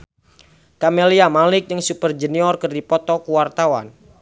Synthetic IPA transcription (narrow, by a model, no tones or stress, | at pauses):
kameliamalɪk̚d͡ʒɨŋsupərd͡ʒəniɔrkərdipɔt̪ɔkuwart̪awa̰n